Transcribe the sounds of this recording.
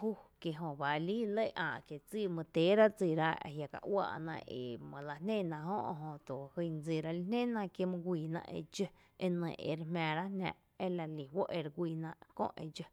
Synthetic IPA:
huː˦kje˧ɦõ˧ba˨liː˦lə˦˨ʔã̰ː˧˨ʔkje˨t͡siː˦˨mə̃˧t̪eː˨˦ɾa˦t͡siː˧˨ɾa˦a̰˨ɦja˧ka̰˧ʔwa̰ː˧˨ʔnã̰˧e˧˨mə̃˨la˧nẽ˦˨nã˧˨ɦõ˦ʔɦõ˧t̪o˨hɨ˧nd͡ziː˧˨ɾa˧li˧˦nẽ˦˨nã˧˨kje˦˧mɨ̃˧ɡʷiː˧˨nã̰˧ʔḛ˧d͡ʒə˧ | e˧nə̰̃˧˨ʔḛ˧˨ɾe˧mãː˧˨ɾa˦nã̰ː˧˨ʔ | e˦la˧li˨wo˦ʔe˧ɾɡʷiː˧˨nã˧ʔkõ̰˦ʔḛ˧d͡ʒə˧

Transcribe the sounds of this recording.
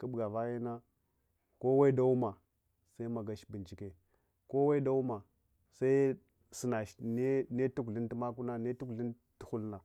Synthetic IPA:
kə˦bɡa˨va˦ja˦na˦ | ko˦wa˦i˦da˦u˦ma˨ | sa˦i˦ma˨ɡa˨ʃbi˨nt͡ʃi˨ke˨ | ko˦wa˦i˦da˦u˦ma˨ | sa˦i˦ | si˨na˨ʃne˦ne˦tu˦kɮi˦nti˦ma˦ku˦na˦ne˦tu˦ki˦n | tu˨xu˦lna˨

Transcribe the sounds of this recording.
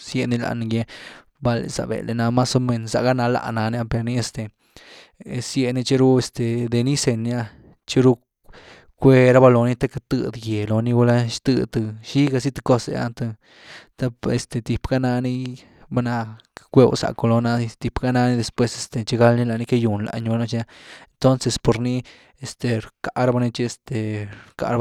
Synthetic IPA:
sje˧˨ni˧la̰˨n˨ɡje˧ | ba˧lḛ˨sa̰˨bḛ˨le˨na˧ma˦so˧me˧nsa˨ɡa˦na˧la̰˧˨na˨˧nja˦pe˧ɾni˦e˧st̪e˨ | sje˧ni˧t͡ʃe˦ɾu˦e˧st̪e˨d̪e˧ni˦se˧nja˦ | t͡ʃe˦ɾu˦ | kʷe˧ɾa˦ba˧lo˨˧ni˦t̪a˦ka˧t̪ɨ˧d̪ɡe˨lo˨ni˦ɡu˧la˦ʃt̪ɨ̰˧t̪ɨ˧ʃi˦ɡa˧si˦t̪ɨ̥˧ko˦sḛ˧a̰˧nt̪ɨ˧ | t̪a˦pe˧st̪e˨t̪i˨pɡa˦na˧ni˦ | ba˦na˧kʷe˦˧wsa̰˨ko˧lo˧na˧t̪i˧pɡa˧na˧ni˦d̪e˧˨spwe˧se˧st̪e˨t͡ʃe˧ɡa˦lni˦la˧ni˧ke˦ju˨nla̰˧ɲba˧no˧˦t͡ʃa˦˧e˧nt̪o˦nse˧spo˨ɾni˦ | e˧st̪e˧ɾka˧ɾba˧ni˧t͡ʃi˧e˧st̪e˨ka̰˧ɾ

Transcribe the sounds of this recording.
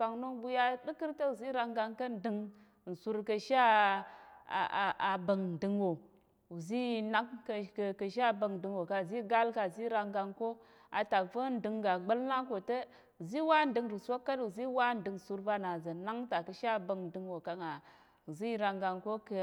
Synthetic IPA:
fa˨ŋno˦bu˦ja˦ɗi˦ki˦ɾtə˦u˨zi˦ɾa˦ŋɡa˦ŋkə˦n˨di˨ŋ˨ | n̩˨su˦ɾkə˨ʃa˦ | a̰˨a˨bə˨ŋn˨di˨ŋwo˨ | u˨zi˦na˦kkkə˨ʃ̬a˦bə˨ŋn˨di˨ŋwo˨ka˨zi˦ɡa˦lka˨zi˦ɾa˦ŋɡa˦ŋko˦ | a˨ta˨kfə˦n˨di˨ŋɡa˨ɡ͡bə˦lna˦ko˨tə˦ | u˨zi˦wa˦n˨di˨ŋɾi˨sʷo˦kːa˦tu˨zi˦wa˦n˨di˨ŋ˨su˦ɾva˦na˨za˨na˦ŋta˨kə˨ʃa˦˨bə˨ŋn˨di˨ŋwo˨ka˨ŋa˨ | u˨zi˦ɾa˨ŋɡa˨ŋko˦kə˨

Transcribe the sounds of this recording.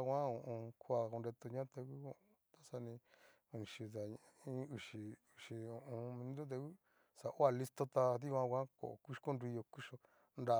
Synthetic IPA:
kʷã˦õ˧˨ʔõ˧kʰu˦a˧ko˧nɾe˧t̪o˧ɲã˦t̪e˧ku˦õ˧˨˧t̪a˦sa˧nĩ˧ | ũ˧nĩ˨˧ʃi˧ða˨ | ĩ˦u˨ʃi˧u˨ʃi˧o˨ʔõ˧mĩ˧n˦d̪o˦t̪̬e˧u˦ | sa˨ʔo˦a˧˨li˦st̪o˦t̪a˧ði˦kʷã˦kʷã˦ko̰˨ku̥˦˧ko˦nɾi˧jo˧ku˦ʃo˧ | nda˨

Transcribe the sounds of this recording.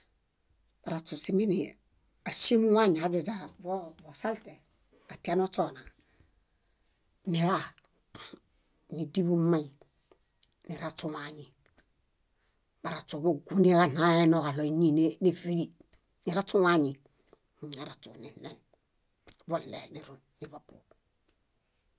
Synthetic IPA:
ba˨ɾa˨t͡ʃu˨si˨mi˦ni˨ | a˨si˦mu˦wa˦ɲi˨a˨d͡ʒe˨d͡ʒa˨vo˦vo˨sa˦lte˨ | a˨ti˦a˦no˦t͡ʃo˦na˨ | ni˨ɾa˦˨ | ni˨di˦bu˦mːa˦i˨ | ni˨ɾa˦t͡ʃu˦waɲi˨ | ba˨ɾa˨t͡ʃo˨bu˦˨ɡu˦ni˦la˦na˦e˦no˨ka˨lo˨ɲi˦ne˦ni˦˨fi˦li˨ | ni˨ɾa˦t͡ʃu˦wa˦ɲi˨ | ɲa˨ɾa˨t͡ʃṵ˨ni˨ne˨n | vo˦lːḛ˨ni˨ɾu˨nːi˨babṵ

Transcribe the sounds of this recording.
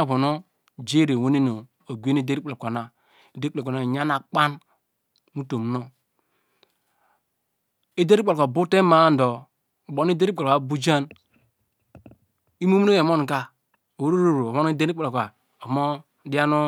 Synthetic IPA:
βo˨no˦ | d͡ʒe˦˨ɾe˨wo˦ne˦no˨ | o˨ɡʷe˦ne˦de˦i˦k͡pko˨na˨ | e˨de˦k͡pkna˨ɲa˦na˨k͡pa˦n | mu˦to˨m˨no˦ | e˦de˦ɾi˦k͡pa˨lka˨bu˦te˦ma˨˦n˨do˨ | bo˨n˦i˦de˦ɾk͡pa˨a˨bu˦d͡ʒa˦n | i˦mo˦m˦no˦je˨mo˦n˨ka˦ | o˨wɾo˦ɾo˦˨ɾo˨βo˦n˦i˦de˦ɾi˦k͡pa˨lo˨ka˨ | o˨mo˦ | di˦a˦no˦

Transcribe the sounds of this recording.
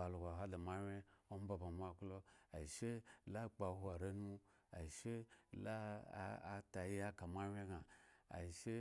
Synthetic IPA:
a˨lo˨ɡa˨ɦa˦da˨ma˦wʲe˦o˦m˦ba˨ba˨ma˦klo˦a˨i˨ʃe˦la˦k͡pa˨˦ɦu˦a˨ɾa˦nu˦ | a̰˨ʃe˦la˦a˦ta˨ji˦a˦ka˨ma˦wʲe˦ɡa˨a̰˨ʃe˦

